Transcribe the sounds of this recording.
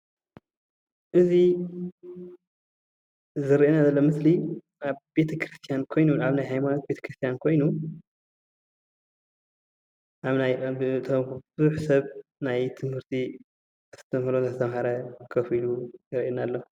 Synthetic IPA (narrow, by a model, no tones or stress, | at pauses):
ʔɨzi | zɨɾiʔenazɐlːomɨsli | ʔaβbe̞t̪ʰɐkʰɾɨst̪ʰjankʰo̞jnuaβnajɦajmano̞t̪̚be̞t̪ɐ̥kɾɨst̪ʰijankʰo̞jnu | ʔaβnajɨt̪ʰombɨzuħsɐβnajt̪ʰɨmhɨɾt̪ʰi | st̪ʰɐmhlonazɨt̪ʰɐmhɐɾɐkʰɐfilujɪɾʔenalːo